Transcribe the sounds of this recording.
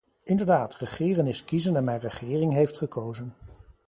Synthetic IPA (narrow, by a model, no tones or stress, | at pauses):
ɪndəɹdaːtrəχɪːrənɪskizənɛnmɛjnrəχɪːrɪŋɦejftχəkowzən